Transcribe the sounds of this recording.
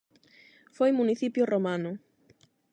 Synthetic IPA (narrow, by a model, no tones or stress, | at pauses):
fojmuniθipjʊromanʊ